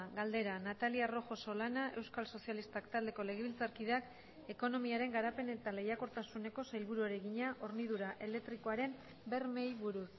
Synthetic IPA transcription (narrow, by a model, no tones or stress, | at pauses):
ɣald̪e̞ɾanat̪aliaro̞xo̞so̞lanaʔe̞wskalso̞sialist̪akt̪ald̪e̞ko̞le̞ɣ̞eβilt͡saɾkiðak | e̞ko̞no̞miaɾe̞ŋɡaɾape̞ne̞t̪ale̞jako̞ɾt̪asune̞ko̞sajlβuɾuaɾe̞ɣiɲaʔo̞ɾniðuɾaʔe̞le̞t̪ɾiko̞aɾe̞m | be̞rme̞jβuɾus